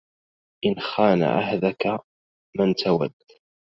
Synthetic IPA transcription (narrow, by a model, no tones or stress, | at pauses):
ʔɪnxaːna̰ʕa̰hðaka | mant̪awad̪ː